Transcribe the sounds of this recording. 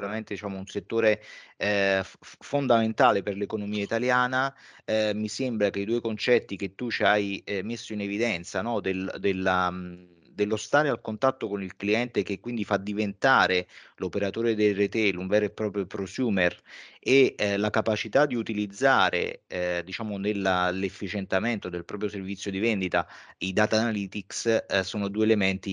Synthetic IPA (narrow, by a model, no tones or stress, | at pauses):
uɾament̪ed̪it͡ʃaːmounset̪ːoːɾe | fond̪ament̪aːleperlekonomiːait̪aljaːna | misembɾakeid̪uːekont͡ʃɛt̪ːik̟et̪ːut͡ʃiajmesːoinevid̪ɛnt̪sanɔd̪eld̪ela | d̪elːost̪aːɾealkont̪at̪ːokonilkliɛnt̪ek̟ekːwind̪ifad̪ivent̪aːɾelopeɾat̪oːɾed̪elːet̪eluɱvɛːɾepɾɔːpɾjopɾosjuːmerelakapat͡ʃit̪ad̪iut̪ilid̪zːaːɾḛd̪it͡ʃaːmonelːalefːit͡ʃent̪ament̪od̪elpɾɔːpɾjoservit̪sːjod̪ivɛnd̪it̪aid̪aːt̪aːnaliːt̪ikssoːnod̪uːeelemɛnt̪i